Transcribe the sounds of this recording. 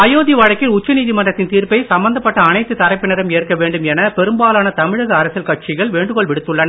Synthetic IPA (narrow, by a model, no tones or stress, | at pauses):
ɐjoːðiʋɐɻɐkːɪlʊt͡ʃːɐniːðimɐndrɐt̪ːɪnt̪iːɾpɐɪsɐmbɐnd̪ɐpːɐʈːɐːnɐɪt̪ːɯt̪ɐɾɐɪpːɪnɐɾɐmeːrkɐʋeːɳɖɯmɛnɐpɛɾɯmbaːlaːnɐt̪ɐmɪɻɐɣɐːɾɐsɪlkɐʈ̚t͡ʃɪɣɐɭʋeːɳɖɯkɔɭʋɪɽɯt̪ːɯɭːɐn